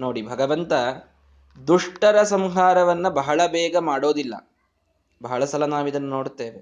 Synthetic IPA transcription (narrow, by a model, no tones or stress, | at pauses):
no̞ːɽibʱɐɡɐʋɐnt̪ɐ | d̪uʂʈɐɾɐsɐmɦaːɾɐʋɐnːɐbɐɦɐɭɐbɛːɡɐmaːɽo̞ːd̪ilːɐ̰ | bʱɐɦɐɭɐsɐlɐnaːʋid̪ɐnːɐno̞ːɽt̪ːeːʋe